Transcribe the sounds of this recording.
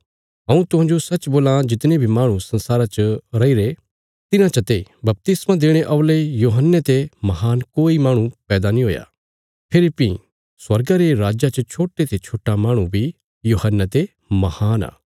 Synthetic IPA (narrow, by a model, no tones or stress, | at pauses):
ɦɐ̃ũt̪ʊɦãːd͡ʒosɐt͡ʃboːlãd͡ʒɪt̪nebʱimaːɽ̃ũsɐnsaːɾat͡ʃəɾɐiɾe | t̪ɪnãt͡ʃɐt̪ebɐp̚t̪ɪsmãd̪eːɽ̃eʔɐʋlejoːɦənːet̪emɐɦaːnkoːimaːɽ̃ũpɛːd̪anĩɦoːja̰ː | pʰɪlɪpḭ | swɐɾɡaɾeɾaːd͡ʒat͡ʃɐt͡ʃʰoːʈet̪et͡ʃʰoːʈːamãːɽ̃ũbʱi | joːhənːət̪e | mɐhaːna̰ː